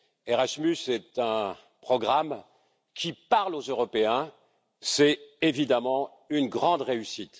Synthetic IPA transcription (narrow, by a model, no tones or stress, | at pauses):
ɛʁaʃmysɛt̪ɛ̃ | pχɔɡʁam | kʲʰipaʁlozøʁɔpeɛ̃ | sɛevid̪amɑ̃ | ynɡʁɑ̃d̪ʁeysit̪